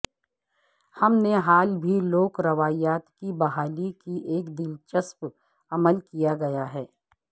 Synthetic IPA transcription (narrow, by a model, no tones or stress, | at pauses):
hɐmneɦaːlbʱiloːkɾɐʋaːjaːt̪kibɐɦaːlikiʔeːkd̪ɪlt͡ʃəsp | ɐməlkijaɡɐjaɦɛː